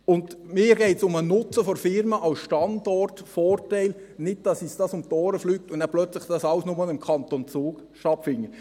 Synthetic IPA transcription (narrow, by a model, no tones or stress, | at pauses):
ʊndmɪːɾɡɛɪtsʊmənʊt͡səfɔɾfɪɾməʔɑlsʃtɑndɔrtfɔːrtæɪl | nɪd̚d̥ɑsisd̥ɑsʊmtɔːɾəflyːk̚tʊnnɛæplœt͡slɪχd̥ɑsɑwsnʊmɑlɪmkʰɑnt̪ont͡suːk | ʃtɑfɪŋːə